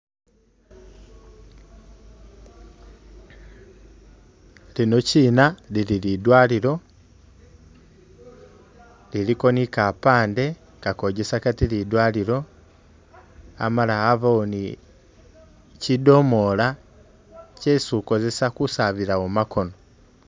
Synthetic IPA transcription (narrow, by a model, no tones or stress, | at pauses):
lino̞ciːnalililidwaliɾo̞ | liliko̞nikapaːnde̞ | kakoɟesakatilidwaːliɾo̞ | a̰malaːvaoni | cido̞mo̞la | cesuko̞ze̞sakusaβiɾaomakʰo̞no